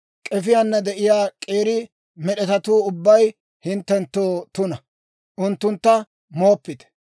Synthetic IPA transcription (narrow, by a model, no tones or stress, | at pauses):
kʼɛfɪjanːɐd̪ɛʔɪjaːkʼe̞ːɾɪ | mɛɗɛt̪ɐt̪uːʊbːɐj | hɪnt̪ːɛnt̪ːoːt̪ʊnɐ | ʔʊnt̪ːʊnt̪ːɐ | moːpːɪt̪ɛ̥